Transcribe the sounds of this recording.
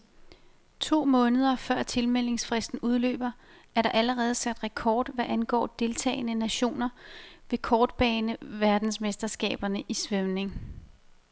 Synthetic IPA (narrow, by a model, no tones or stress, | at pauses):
t͡sʰo̝̰ːmɔ̽ːnəð̞ˠɐfɶɐ̰t͡sʰe̝lmel̰e̝ŋsfʁɛsd̥n̩uð̞ˠlø̰ːb̥ɐ | æɐɾ̥ɑ̈ʔæləʁɛːð̞̩ˠsæd̥ʁɛkʰɒːd̥ʋæʔænɡ̥ɒ̰ːd̥e̝lt͡sʰɛ̰ːɪnənæɕo̝̰ːnɐʋe̝kʰɒːd̥b̥ɛːnəʋæɐd̥n̩smesd̥ɐsɡ̥ɛ̰ːb̥ɐnəʔisʋœʊne̝ŋ